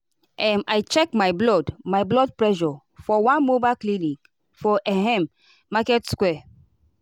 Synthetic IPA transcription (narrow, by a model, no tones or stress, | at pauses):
ʔɛ̃majt͡ʃɛk̚majblɔdmajblɔd̚pɹɛʃɔ | fɔwãnmobaklĩnĩk | fɔʔɛɦɛ̃mː | akɛtskwɛ